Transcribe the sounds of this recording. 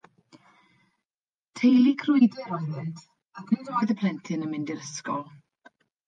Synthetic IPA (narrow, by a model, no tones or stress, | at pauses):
tʰejlˠikʰrʊjdɛɾɔjðɪntʰ | akʰnɨdɔjðəpʰl̥ˠɛntʰɪnəmɪndɪɾəskɔlˠ